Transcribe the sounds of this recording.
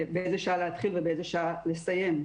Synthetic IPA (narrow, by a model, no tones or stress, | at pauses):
beezeʃaalehat̪χilvebeezeʃaalest̪aje̞m